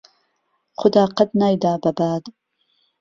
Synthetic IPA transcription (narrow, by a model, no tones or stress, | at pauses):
χʊd̪aːqɐd̪naːjd̪aːbɐbaːd̪